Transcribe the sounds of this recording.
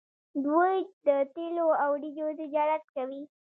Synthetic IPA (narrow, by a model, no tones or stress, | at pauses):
d̪wojd̪ət̪eloawɖid͡ʒot̪ɪd͡ʒɑɾat̪̚kawi